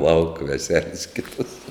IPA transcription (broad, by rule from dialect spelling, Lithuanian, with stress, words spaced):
lˠɐʊk ʋʲɛˈsʲæːlʲɛs ˈkʲɪtɐs